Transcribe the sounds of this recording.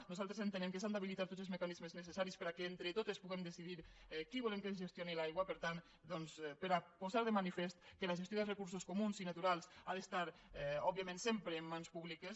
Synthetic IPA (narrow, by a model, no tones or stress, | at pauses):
nuzalˠt̪ɾezent̪ənɛmkəs̬and̪aβ̞ilit̪aɾt̪otd͡zelzmekanizməznəsesaɾispəɾakeent̪ɾət̪ot̪espuɣemd̪əsiðiɾkiβulemkənzʒest̪jonilajɣwapəɾt̪an | d̪ɔnspəɾapozaɾðəmanifest̪kəlaʒest̪joðərəkuɾsoskomunzinat̪uɾalˠsaðest̪aɾɔbiamẽnsempɾeːmːanspuβlikəs